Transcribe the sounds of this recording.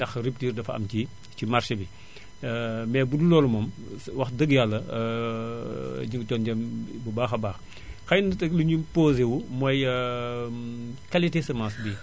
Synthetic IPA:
dɐxrip̚tiːrdɐfɐ̰mci | t͡ʃimarʃebi | mɛːbudulɔːlumɔːm | wɐxdəɡjalːɐ | ɲiŋɡtɔːnɟɐmbubaːxɐbaːx | xɐjndɐtɐkluɲupoːzewumɔj | kɐlitesɛmãːsbi

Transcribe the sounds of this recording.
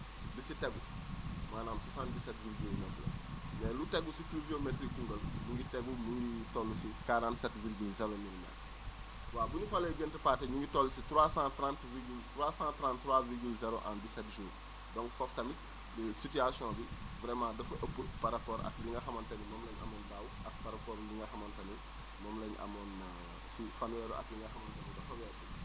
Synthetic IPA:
disiteɡu | maːnaːmsasãːndisɛtviɾɡilnɛblɐ̰ | mɛːluteɡusipluviometɾikːuŋɡəlɲuŋɡiteɡumuŋitolːusikaɾãːntsɛtviɾɡilzɛɾoɲinma̰ | waːbuɲufaleɟəntəpaːtɛɲiŋɡitolːusitɾwaːsãːtɾãntviɡiltɾwaːsãːtɾãːnttːɾwaːviɡilzɛɾoʔa̰ndisɛtʒuː | dɔ̃ŋkfɔftɐmit̚ | bəsityasiɔ̃ːbi | vɾɛmãːdɐfɐʔəpːəpaɾɐpɔːɾɐ̰k̚liŋɡɐxɐmɐntɐnimɔmlɐɲɐ̰mɔndaːwuʔɐk̚paɾapɔːɾliŋɡɐxɐmɐntɐni | mɔːmlɐɲɐ̰mɔn | sifɐnwɛɾuʔɐ̰kliŋɡɐxɐmɐntɐndɐfɐwɛːsi

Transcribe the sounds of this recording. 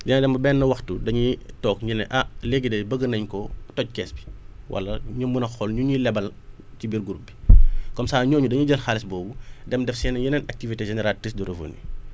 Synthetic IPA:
jɐnɐdɛmbɐbɛːnːɐwɐxtudɐɲitɔːk̚ɲinɛ̰ʔɐleɡidɐbəɡənɐɲkɔtɔc̚kɛːsbi̥ | wʔɐ̰lːɐɲumbunɐxɔlɲuɲilɛbɐl | cibiːrɡuɾubːi̥kɔmsaːɲɔːɲudɐɲuɟɐlxalisbɔːbudɛmdɛfsɛːnɐjinɛnɐk̚tiviteʒenɛɾaltrisduɾɐvo̰nːḭ

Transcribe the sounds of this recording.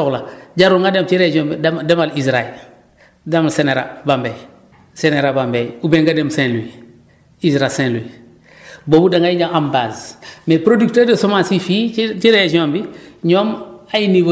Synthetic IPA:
oklaɟaɾuŋɡademt͡ʃiɾed͡ʒiombidemalisɾael | damseneɾa̰bambej | seneɾabambejubeŋɡademsẽnlui | isɾasẽnlui | bobudaŋɡaiɟaambazmepɾoduk̚teːdesomasifit͡ʃiɾed͡ʒiombiɲomajiniɡo

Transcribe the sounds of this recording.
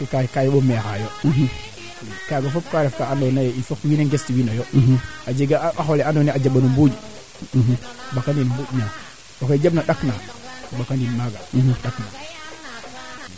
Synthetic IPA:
kikakajɓomexajo | kaɡafop̚kaɾefkaandonajifok̚wineŋɡestiwinojoad͡ʒeɡaaxoleandoniad͡ʒaɓanumbud͡ʒ | bakandinmbuɟɲa | oked͡ʒabnaɗaknabakandinmaɡaɗakna

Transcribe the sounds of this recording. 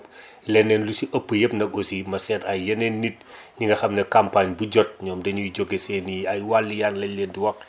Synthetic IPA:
lɛnːɛːnlusiʔɐpːəjəpnɐk̚osimɐsɛtɐjɐnenːit̚ | ɲiŋɡɐxɐmnɛkampaɲbuɟɔt̚ɲɔːmdɐɲujɟoɡeseniɐjwalːijanlɐlɛndiwɐx

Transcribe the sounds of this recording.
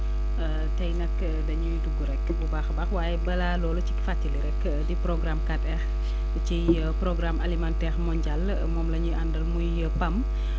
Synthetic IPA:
tɐjnɐk | dɐɲujduɡːuɾɛkːbubaːxbɐxwaːjɛbɐlalɔːlut͡ʃi̥kfatːiliɾɛkː | diprɔɡramkatɛx | t͡ʃi | prɔɡɾamʔɐlimantɛːɾmɔɲɟal | mɔːmlɐɲuʔandɐlmujəpɐm

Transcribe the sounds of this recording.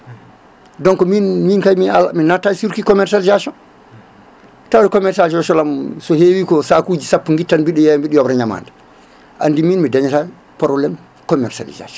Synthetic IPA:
dɔŋkɔminminkajmialaminatːajsuɾkikɔmɛɾsalizasjɔn | tawdɛkɔmɛɾsalisɔsɔlamsɔhewiːkɔsakud͡ʒisapːuŋɡitːanbiɗɛjambiɗijɔbɾaɲama̰ːnda | ʔa̰ndiminmidaɲata | pɔɾɔlɛm | kɔmɛɾsa̰lḭza̰sɔn

